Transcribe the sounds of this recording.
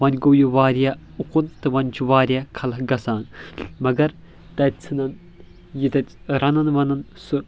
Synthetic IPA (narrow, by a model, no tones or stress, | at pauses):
ʋɐnʲɡoːjuʋaːɾija | uqunt̪ɨʋɐnʲt͡ʃʰuʋaːɾijakʰɐlɐɦɡɐsaːnmɐɡɐɾ | t̪ɐt͡sʰɨnɐn | jit̪ɐtʲ | ɾɐnɐnʋɐnɐnsɨ